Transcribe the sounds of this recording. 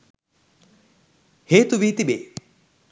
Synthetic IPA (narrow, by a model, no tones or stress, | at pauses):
heːt̪uʋit̪ibeː